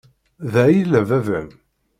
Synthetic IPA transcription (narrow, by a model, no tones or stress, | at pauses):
ðæjilævævæm